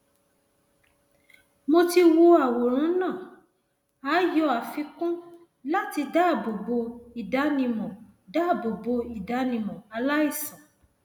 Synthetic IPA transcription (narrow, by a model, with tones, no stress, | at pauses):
mo˧ti˧wo˧a˨wo˨ɾ̃ũ˨˦nã˦˨ | aː˨˦jɔ˧˦a˨fĩ˧kũ˦ | la˦ti˧da˦˨bo˨bo˧i˨da˨˦nĩ˧mɔ̃˨da˦˨bo˨bo˧i˨da˨˦nĩ˧mɔ̃˨a˧la˦i˦˨sã˨